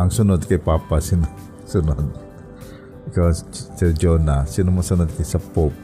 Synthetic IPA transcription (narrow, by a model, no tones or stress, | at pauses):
aŋsunʊt̪̚kepapasinɔ | sunɔt̪̚ | kat͡ʃərd͡ʒonasinɔmasunʊt̪̚kəsəpʊp̚